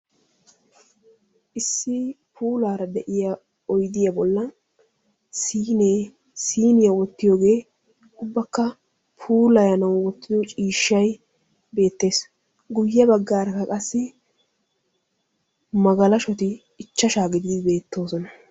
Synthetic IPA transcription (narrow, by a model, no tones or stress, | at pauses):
ʔɪsːɪ | pʰuːlaːɾɐd̪ɛʔɪja | ɔjd̪ɪjɐbɔlːɐ | siːneː | siːnɪjɐwɔt̪ːɪjoːɡe̞ː | ʊbːɐkːɐ | pʰuːlɐjɐnɐwwɔt̪ːɪd̪ɔt͡ʃʼiːʃːɐj | be̞ːt̪ːe̞ːs | ɡʊjːɐbɐɡːaːɾɐkːɐkʼɐsːɪ | mɐɡɐlɐʃɔt̪ɪː | t͡ʃːɐʃaːɡɪd̪ɪd̪ɪbe̞ːt̪ːo̞ːsɔnɐ